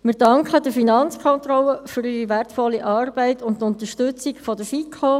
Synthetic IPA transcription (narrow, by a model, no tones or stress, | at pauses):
mɪɾdɑŋkχəd̥əfinɑnt͡skʰɔnt̪ɾɔlːəfʏɾyɾiʋærtfɔlːiʔɑːrb̥ɛɪtʊntʊnt̪əʃtʏt͡sikfɔdəfikʰoː